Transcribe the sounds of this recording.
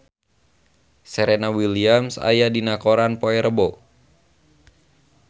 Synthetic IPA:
sɛɾenawiliamsa̰jadinakoɾanpoɛɾəbɔ

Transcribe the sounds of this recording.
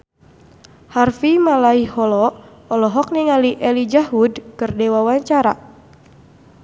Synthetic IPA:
harfimalaihɔlɔ | ɔlɔɦɔk̚niŋaliʔɛlid͡ʒaɦudkɨrdewawaɲt͡ʃaɾa̰

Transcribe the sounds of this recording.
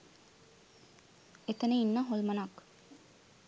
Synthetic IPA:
et̪ənəinːəɦolmənak

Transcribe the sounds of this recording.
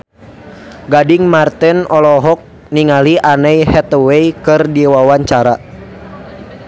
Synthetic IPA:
ɡadiŋmart̪ɛnɔlɔɦɔk̚ | niŋaliʔanɛjhɛt̪əwɛikɨrdiwawaɲt͡ʃaɾa

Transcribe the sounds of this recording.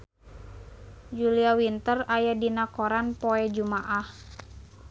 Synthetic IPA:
d͡ʒuliawint̪ərajadinakoɾanpoɛd͡ʒumaʔah

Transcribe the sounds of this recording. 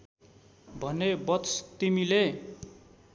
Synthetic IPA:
bʱʌnebʌt̪st̪imile

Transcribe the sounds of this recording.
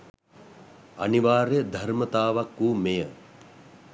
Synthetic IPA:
ɐ̰niʋaːɾjəd̪ʱɐɾmət̪aːʋakːuːmejə

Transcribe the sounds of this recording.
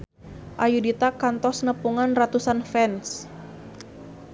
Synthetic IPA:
ʔajudit̪akant̪ɔsnəpuŋanrat̪usanfɛns

